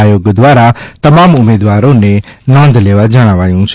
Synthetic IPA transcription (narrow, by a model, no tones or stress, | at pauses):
ajoːɡd̪waːɾat̪ɐmaːmʊmeːd̪ʋaːɾõnẽnɔ̃ːnd̪leːʋad͡ʒəɽ̃aʋaːjũt͡ʃʰ